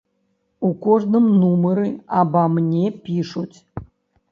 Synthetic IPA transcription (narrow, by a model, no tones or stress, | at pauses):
ukoʐnɨmnuməɾɨabamnʲepʲiʂutʲ